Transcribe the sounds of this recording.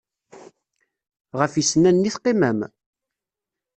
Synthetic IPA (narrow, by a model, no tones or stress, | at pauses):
ʁəfisnænːiθqːimæm